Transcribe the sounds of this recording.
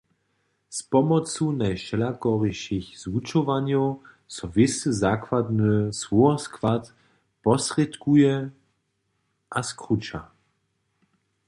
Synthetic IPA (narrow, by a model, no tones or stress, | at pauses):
spɔmɔt͡sunajʃɛlakɔʁiʃixz̥vut͡ʃɔvaɲjɔw | sɔvɪsɨzaːkwad̪nɨswɔɔskvat̪ | pɔsʁɛt̪kujɛ | ʔaskʁut͡ʃa̰